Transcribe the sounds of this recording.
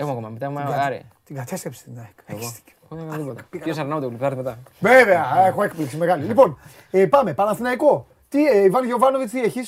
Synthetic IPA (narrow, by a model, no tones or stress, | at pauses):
exomɐkomɐmet̪axmaɾḭt̪iɡɐt̪ʰe̞st̪ɾepst̪inɐekst̪i̥e̥kokɐnðipot̪ɐpiosɐɾnɐmot̪euliptɐɾt̪imet̪ɐveve̞ɐexoe̞kpliksime̞ɣɐlilipo̞n | epɐme̞pɐnɐθinɐiko̞ | t̪iivɐnʝo̞vɐno̞vit͡sieçis